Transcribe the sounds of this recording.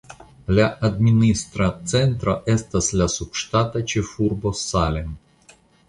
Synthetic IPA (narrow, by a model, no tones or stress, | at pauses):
lʲaʔɐd̪mʲinʲist̪ɾat̪sɛnt̪ɾaʔɛst̪ɐsʲlʲasupʂt̪at̪ɐt͡ʃɪfurbosalʲɛn